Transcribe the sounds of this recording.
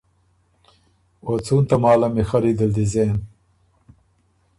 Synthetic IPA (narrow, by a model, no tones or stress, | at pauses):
ot͡sʰuːnt̪ɐmaːlɐmixɐɾid̪ɐld̪izeːn